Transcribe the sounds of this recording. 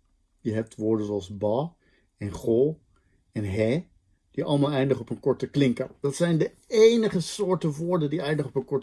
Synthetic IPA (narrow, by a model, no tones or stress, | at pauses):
jəɦɛp̚tʋʊːɹdənzoɑlˠzbɑ | ɛnχɔlˠ | ɛnɦɛ | d̥iʔɑ̰lˠəmaːlˠɛjndəχɔpənkɔɹtəklɪŋkənd̥ɑtsɛjndə | ejnəχəsʊːɹtəʋʊːɹdəndiɛjndəχɔpənkɔɹt